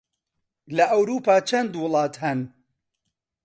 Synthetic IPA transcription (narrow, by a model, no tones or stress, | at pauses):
lɐʔɐwɾuːpaːt͡ʃʰɐnd̪wʊlˠɑːt̪hɐn